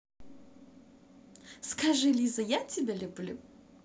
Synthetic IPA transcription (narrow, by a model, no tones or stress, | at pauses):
skʰaʐɨlʲizɐjatʲɪbʲelʲublʲu